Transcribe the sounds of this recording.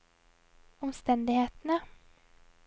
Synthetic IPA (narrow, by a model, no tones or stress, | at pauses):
ɔmst̪ɛnd̪ɪɡheːt̪əna